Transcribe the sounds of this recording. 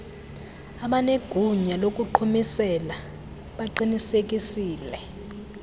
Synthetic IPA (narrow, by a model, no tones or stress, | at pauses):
aɓaneɡ̥ʱuɲalok̬ʼuǃʰumisɛla | ɓaǃinisek̬ʼisiːlɛ